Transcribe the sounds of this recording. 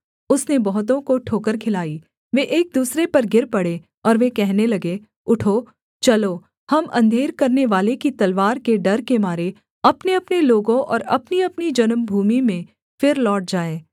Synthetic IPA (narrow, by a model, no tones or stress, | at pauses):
ʊsnebɔɦʊt̪̬õkoʈʰoːkəɾkʰɪlaːi | ʋeʔeːk̚d̪uːsɾepɐɾɡɪɾpɐɽe | ɔːɾʋekɛɦnelɐɡe | ʊʈʰoː | t͡ʃɐlo | hɐmʔɐ̰̃nd̪ʱeːɾkɐɾneʋaːlekit̪ɐlʋaːɾkeɖɐɾkemaːɾe | ɐpneɐpneloːɡõʔɔ̰ːɾɐpniɐpnid͡ʒɐnmbʱuːmimẽ | fɪɾlɔːʈ̚d͡ʒaːẽː